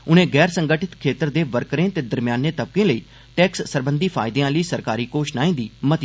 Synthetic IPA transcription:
ʊnẽːɡɛːɾsə̃ŋɡəʈʰɪt̪kʰeːt̪əɾd̪eːʋəɾkɾẽːt̪eːd̪əɾmɪjaːnːeːt̪əb̚kẽːləiː | ʈɛːkssəɾbə̃nd̪iːpʰa̰ːɪd̪eãːləiːsəɾkaːɾiːkoːʃnãːĩːd̪iːmət̪

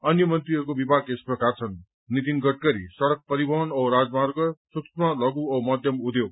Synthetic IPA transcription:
ʌnjʌmʌnt̪riʌɾukobibʱaɡesprʌkart͡sʰʌnː | it̪̬inɡʌʈ̚kʌɾḭsʌɽʌk̚pʌɾibʌɦʌnʌɾad͡zmarɡʌsuksmalʌɡuʌmʌd̪ʱjʌmud̪jew

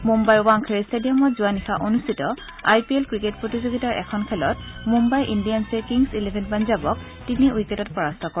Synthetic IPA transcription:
mumbajuwaŋkʰeɹistedijɔmɔtzʊwanixaʔonustitɔ | ajpielkɹiket̚pɹotizoɡitaɹʔɛ̰kʰɔnkʰɛlɔtmumbajʔindijansɛkiŋsilebʱɛnpanzabɔk̚ | tiniwiketɔt̚pɔɹastʰɔkɔ

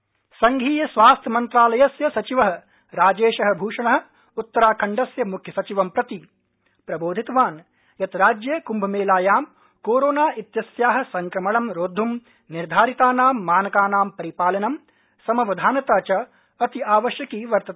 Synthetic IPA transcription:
sɐŋɡʱiːjɐsʋaːst̪ʰjɐmɐnt̪ɾaːlɐjɐsjɐsɐt͡ʃiʋɐɦɐ̆ | ɾaːd͡ʒeːʃɐɦɐ̆bʱuːʂɐɳɐɦɐ̆ | ut̪ːɐɾaːkʰɐɳɖɐsjɐmukʰjɐsɐt͡ʃiʋɐmpɾɐt̪i | pɾɐboːd̪ʱit̪ɐʋaːn | jɐt̪ɾaːd͡ʒjeːkumbʱɐmeːlaːjaːm | koːɾoːnaːʔit̪jɐsjaːɦɐ̆sɐŋkɾɐmɐɭɐmɾoːd̪ʱːum | niɾd̪ʱaːɾit̪aːnaːmːaːnɐkaːnaːmpɐɾipaːlɐnɐm | sɐmɐʋɐd̪ʱaːnɐt̪aːt͡ʃɐ | ɐt̪iaːʋɐʃjɐkiːʋɐɾt̪ɐt̪ː

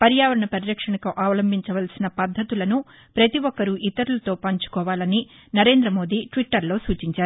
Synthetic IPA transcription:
pɐɾjaːʋɐɾɐɳɐpɐɾiɾɐkʂɐɳɐkɐʔaːʋɐlɐmbʱiɲt͡ʃɐʋɐlsinɐpɐd̪ʱːɐt̪ulɐnu | pɾɐt̪iʋɔkːɐɾuʔit̪ɐɾulɐt̪o̞ːpɐɲt͡ʃu̥kɔːʋaːlɐni | nɐɾe̞ːnd̪ɾɐmo̞ːd̪iːʈʋiʈːɐɾlo̞ːsuːt͡ʃiɲt͡ʃaːɾu

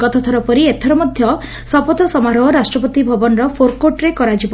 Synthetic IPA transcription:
ɡɔt̪ʰɔt̪ʰɔɾɔpɔɾiet̪ʰɔɾɔmɔd̪ʱjɔ | sɔpɔt̪ɔsɔmaɾɔɦɔɾasʈɾɔpɔt̪ibʱɔbɔnɾɔpʰoɾkoʈɾekɔɾad͡ʒib

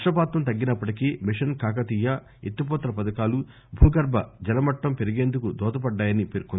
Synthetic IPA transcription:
ɐʂɐpaːt̪ʋɐmt̪ɐɡːinɐpːɐʈikiːmiʂɐnkaːkɐt̪ijːɐ | et̪ːip̬ɔːt̪ɐlɐpɐd̪ɐkaːlu | bʱuːɡɐɾbʱɐd͡ʒɛlɐmɐʈːɐmpeɾiɡe̞ːnd̪ukud̪ɔːt̪ɐpɐɖːaːjɐnipeɾkun

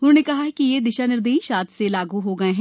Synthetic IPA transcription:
ʊnɦõːnekɐɦaɦɛkijed̪ɪʃanɪɾd̪eːiʃaːt̪selaːɡuɦoɡɐeɦɛ̃ː

